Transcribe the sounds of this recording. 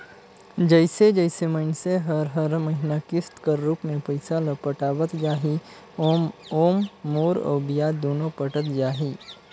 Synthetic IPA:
d͡ʒəɪsed͡ʒəɪseməɪnseɦəɾɦəɾməɦɪnakɪst̪kəɾːuːpmẽpəɪsaləpəʈaːwət̪d͡ʒaːɦi | oːmːoːɾɔ̰ːbijad̪oːnopəʈət̪d͡ʒaːɦi

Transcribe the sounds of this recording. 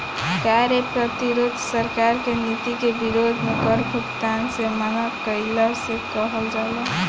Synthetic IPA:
kaɾjəpɾət̪iɾod̪ʱsəɾkaɾkenit̪ikebiɾod̪ʱmepəɾbʱukt̪ansemanakəɪləsekəɦəld͡ʒalə

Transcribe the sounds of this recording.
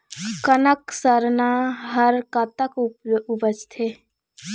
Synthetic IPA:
kənəksəɾnaɦəɾkət̪əkupubəd͡ʒt̪ʰe

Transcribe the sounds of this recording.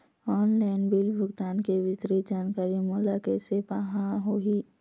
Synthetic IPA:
ɔːnlaːɪnbilbʱʊɡt̪aːnkeʋɪsɾid͡ʒaːnkaːɾimulakesepaɦãɦoiː

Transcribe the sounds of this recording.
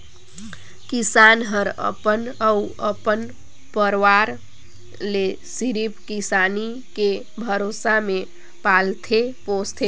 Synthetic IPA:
kisanɦəɾə̰pənəuəpən | pəɾwaɾ | le | siɾipkisani | ke | bʱəɾosame | palt̪ʰepost̪ʰe

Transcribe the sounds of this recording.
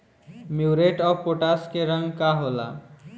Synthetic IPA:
mjuɾeʈɔpoʈaskeɾə̃ŋɡkaɦola̰

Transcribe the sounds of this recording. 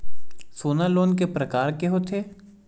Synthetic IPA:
soːnaloːnk̬epɾɐkaːɾkeɦot̪ʰeː

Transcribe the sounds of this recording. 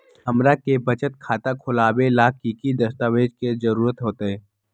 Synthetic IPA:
ɦɐmɾakebɐt͡ʃət̪̚kʰaːt̪akʰʊlaːbelaːkikid̪ɐst̪aːʋeːd͡ʒked͡ʒɐɾuːɾət̪ɦoːt̪eɦɛː

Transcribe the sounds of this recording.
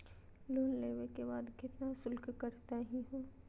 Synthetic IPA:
loːnleːʋekebaːd̪ɡɪt̪nasʊlkkɐɾt̪aɦiɦoː

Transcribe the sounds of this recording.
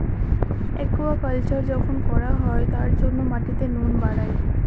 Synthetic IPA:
ḛkːoapalt͡ɕaɾd͡ʑɔkʰonkɔɾaɦɔet̪aɾd͡ʑonːomaʈit̪enonbaɽae

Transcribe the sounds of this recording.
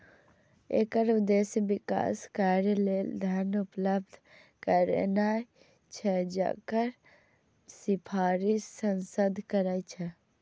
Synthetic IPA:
ḛkəɾud̪esjəbika̰ːskaɾjəleld̪ʱanupləb̚d̪ʱ | kəɾḛnaj | t͡ʃʰɛd͡ʒa̰kəɾ | sipʰaːɾissənsəd̪ʱkəɾajt͡ʃʰɛ

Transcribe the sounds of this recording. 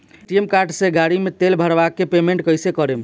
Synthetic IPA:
ʈiemkaɾɖsẽɡaɽimet̪elbʱəɾbakːepemẽɳʈkəjsekəɾem

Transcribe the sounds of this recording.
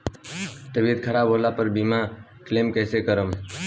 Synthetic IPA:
t̪əbiəd̪̚kʰəɾaːbʱɦoːlapəɾbimakleːmkɛːsekəɾəm

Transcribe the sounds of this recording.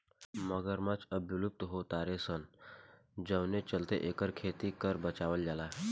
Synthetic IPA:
məɡəɾmat͡ʃəbʱulup̚t̪ɦot̪aɾesən | d͡ʑəwnet͡ɕəlt̪eʔekəɾkʰet̪ikəɾbət͡ʃaʋəld͡ʒalaɦ

